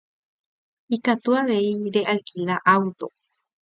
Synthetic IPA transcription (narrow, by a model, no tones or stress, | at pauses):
ikat̪uaβeiɾeʔalkilaʔawt̪o̰